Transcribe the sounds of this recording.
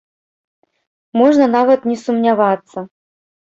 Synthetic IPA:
mɔʐnɐnavɐt̪nʲɛsumnʲavat̪sːɐ

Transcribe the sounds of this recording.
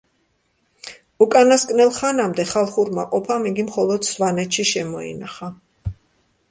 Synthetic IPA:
ukʼanaskʼnɛlˠχanamd̪ɛχalˠχuɾmaqʼɔpʰamiɡimχɔlˠɔd̪svanɛt̪ʃiʃɛmɔḭnaχa

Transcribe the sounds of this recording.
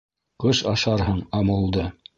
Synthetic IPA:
qɤʃɑʃɑɾɦɤɴɑmɤ̆lˠd̪ɤ

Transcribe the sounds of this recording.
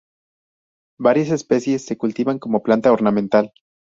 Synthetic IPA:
baɾjase̞spe̞sje̞sːe̞kult̪iβaŋko̞moplant̪ao̞ɾnamẽnt̪al

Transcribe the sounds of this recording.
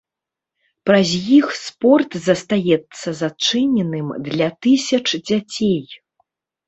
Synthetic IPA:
pɾɐzʲjixspɔrt̪zɐst̪ajɛt̪sːɐzat͡ʂɨnʲɛnɨmd̪lʲat̪ɨsʲɐt͡ʂd͡zʲat͡sʲej

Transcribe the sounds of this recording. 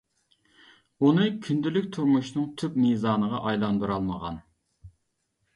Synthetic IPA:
unɨkʲʰynd̪ɪlyk̚ʲt̪ʰuɾmuʃnɨŋt̪ʰypmizɑːnəʁɑʔɑjlˠɑnd̪uɾɑlˠməʁɑ̰n

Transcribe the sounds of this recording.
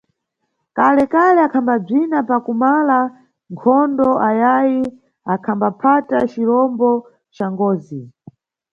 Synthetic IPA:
kalɛkalɛakʰambab͡ʐinapakumala | ŋkʰɔndɔʔajaji | akʰambapʰatat͡ʃilɔmbɔ | t͡ʃaŋɡɔːzi

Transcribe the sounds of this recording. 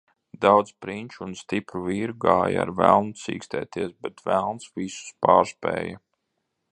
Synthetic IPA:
d̪awd̪spɾinʲt͡ʃunst̪ipɾuviːɾuɡaːj̰a̰ɾvæ̰lˠnusḭːkst̪ɛːt̪iɛsbɛt̪vælˠnsvisu̥spaːɾspɛ̰ːjɐ

